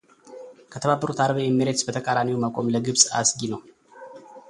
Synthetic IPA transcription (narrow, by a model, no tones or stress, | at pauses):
kʰət̪ʰəβabːəɾut̪ʰaɾβejɛmːiɾet̪sbət̪ʰəkʼaɾamiwmakʼo̞mləɡɨβsʼa̰sɡinəw